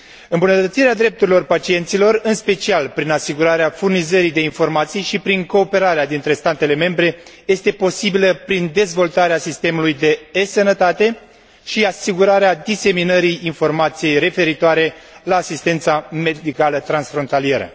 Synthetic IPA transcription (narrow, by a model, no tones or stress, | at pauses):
ɨmbunət̪ət̪siɾead̪ɾe̞p̚t̪uɾilo̞rpat͡ʃie̞nt̪silo̞rɨnspe̞t͡ʃialpɾinasiɡuɾaɾeafurnizəɾid̪e̞info̞rmat̪sijʃipɾiŋko̞ːpe̞ɾaɾead̪int̪ɾe̞st̪at̪e̞le̞me̞mbɾe̞je̞st̪e̞po̞sibiləpɾind̪e̞zvo̞lt̪aɾeasist̪e̞mulujd̪e̞esənət̪at̪e̞ | ʃiasiɡuɾaɾead̪ise̞minəɾiːnfo̞rmat̪sije̞jɾe̞fe̞ɾit̪oaɾe̞laːsist̪e̞nt̪same̞d̪ikalət̪ɾansfɾo̞nt̪alije̞ɾə̰